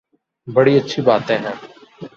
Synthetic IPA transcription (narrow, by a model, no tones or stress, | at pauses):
bɐɽiːɐtːʃʰibaːt̪ẽːɦɛ̃ː